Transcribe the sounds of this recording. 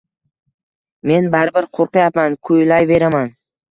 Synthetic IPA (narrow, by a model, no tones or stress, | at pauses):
me̞nbaɾbɪɾqʰoɾqɨjapmankʰʊjlajve̞ɾaman